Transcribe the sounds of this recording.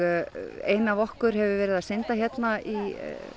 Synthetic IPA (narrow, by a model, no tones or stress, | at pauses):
eːjnavɔhkʏɾ̥hɛvʏvɛːɾɪðasɪnt̪açjɛt̪naʔi